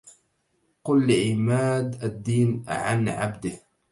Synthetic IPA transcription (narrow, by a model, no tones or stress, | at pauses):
qʊlːɪʕɪmaːd̪ad̪ːiːnʕa̰nʕa̰bd̪ɪh